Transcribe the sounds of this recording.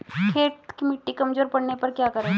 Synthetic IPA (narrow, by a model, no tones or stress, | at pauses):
kʰeːʈkimɪʈːikɐmd͡ʒoːɾpɐɽnepɐɾkjaːkɐɾeː